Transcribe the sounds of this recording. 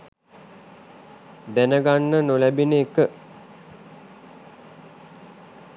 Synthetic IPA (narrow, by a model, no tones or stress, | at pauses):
d̪ænəɡanːənolæbineːkə